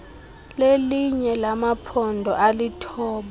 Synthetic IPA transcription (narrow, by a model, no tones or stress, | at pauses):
leliɲɛlamapʰɔndʱɔʔalitʰɔːɓa